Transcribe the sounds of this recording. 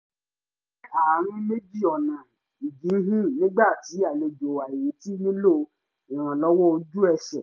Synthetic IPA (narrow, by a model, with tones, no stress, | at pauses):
a˨˦ɾ̃ĩ˧me˦d͡ʒi˦˨ɔ˨nã˨ | i˨ɡĩ˨˦ɦĩ˦nĩ˦ɡ͡ba˦˨ti˨˦a˦˨le˧d͡ʒo˨wa˨i˨je˨˦ti˦nĩ˦lo˦˨ | i˨ɾ̃ã˨lɔ˦wɔ˦o˧d͡ʒu˦ɛ˧ʃɛ̰˨